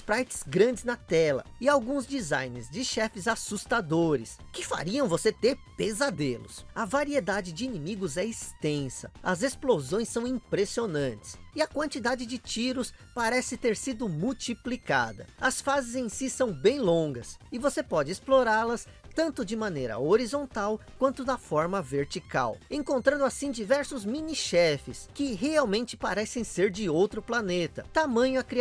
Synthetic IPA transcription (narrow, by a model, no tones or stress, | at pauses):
ʊspɾajt͡ʃɪ̥zɡɾɐ̃nd͡ʒɪznɐt̪ɛlɐ̰ɪawɡũzd͡ʒiza̰jnɪzd͡ʒɪʃɛfɪzasust̪ad̪oɾɪ̰skɪfa̰ɾiɐ̃w̃voset̪eɾpezad̪elʊ̰sɐvaɾied̪ad͡ʒɪd͡ʒɪinimiɡʊzɛist̪ẽsɐ̰ɐzesplozõj̃sːɐ̃w̃ĩpɾesionɐ̃t͡ʃɪ̥sɪɐkwɐ̃nt͡ʃid̪ad͡ʒɪd͡ʒɪt͡ʃiɾʊspaɾɛsɪt̪eɾsid̪ʊmuwt͡ʃiplika̰d̪ɐ̰ɐsfazɪzẽj̃sisɐ̃w̃bẽj̃lõɡɐsɪvosepɔd͡ʒɪesploɾaɾlɐs | t̪ɐ̃nt̪ʊd͡ʒɪmɐnejɾɐ̰oɾizõnt̪awkwɐ̃nt̪ʊd̪ɐfɔɾmɐveɾt͡ʃika̰wẽŋkõnt̪ɾɐ̃nd̪ʊasĩd͡ʒivɛɾsʊzmĩniʃɛfɪskɪɦeawmẽnt͡ʃɪ̥paɾɛsẽj̃seɾd͡ʒɪowt̪ɾʊplanet̪ɐt̪amɐ̃ɲʊɐkɾi